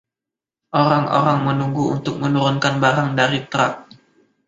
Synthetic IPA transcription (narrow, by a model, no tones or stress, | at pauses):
ʔoɾaŋo̰ɾaŋmənuŋɡuṵnt̪ʊk̚mənuɾʊnkanbaɾaŋdaɾit̪ɾak̚